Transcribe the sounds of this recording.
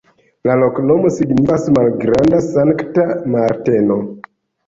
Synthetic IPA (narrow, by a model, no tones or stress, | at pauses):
lalo̞kno̞mo̞siɡnifasmalɡɾandasaŋktamaɾte̞no̞